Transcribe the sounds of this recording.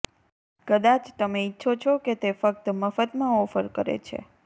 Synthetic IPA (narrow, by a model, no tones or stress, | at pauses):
kəd̪at͡ʃt̪əmeitːʃʰot͡ʃʰoket̪efək̚t̪məfət̪mãɔfəɾkəɾḛt͡ʃʰḛ